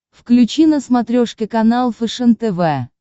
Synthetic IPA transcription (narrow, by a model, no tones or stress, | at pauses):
fklʲʉt͡ɕinəsmɐt̪ɾʲoʂkʲɪkɐnalˠfɨʂɛnt̪ɛvɛ